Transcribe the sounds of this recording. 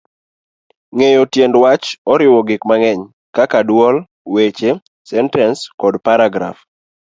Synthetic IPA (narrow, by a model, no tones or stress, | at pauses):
ŋejɔtjendwat͡ʃɔɾɪwɔɡɪkmaŋɛɲ | kakadwɔl | wet͡ʃe | sɛntɛnskɔdpaɾaɡɾa̰f